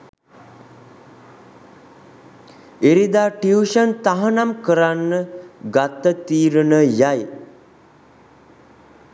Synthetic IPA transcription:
eɾid̪aːʈiuʃənt̪aɦənamkəɾanːəɡat̪ːət̪iːɾənəjaj

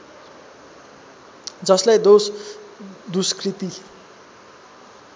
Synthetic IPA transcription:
d͡zʌslajd̪os | d̪uskrit̪i

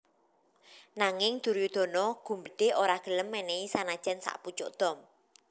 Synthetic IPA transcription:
naŋɪŋd̪̥ṳɾjud̪̥ɔ̤nɔɡ̥ṳmbəɖ̪̥e̤ʔoɾaɡ̥ə̤ləmːɛneisanad̥ʒ̥ɛnsa̰ʔput͡ʃʊʔd̪̥ɔ̤m

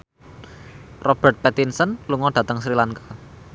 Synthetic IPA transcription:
rɔb̥ɛt̪̚pɛt̪insənluŋɔdɖ̥a̤t̪əŋsɾilaŋkḁ

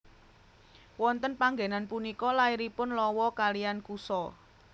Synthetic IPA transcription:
wɔnt̪ənpaŋɡenanpunikɔlaiɾipʊnlɔwɔkalijankusɔ

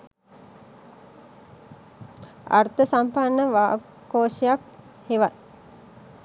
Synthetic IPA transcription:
a̰rt̪əsampanːəʋaː | koːʃijak | heʋat̪̚

